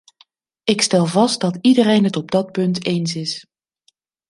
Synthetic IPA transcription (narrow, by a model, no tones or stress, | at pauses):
ɪkstɛlˠvɑstdɑtidərejnɦətɔb̚dɑt̚pɵntejnsɪs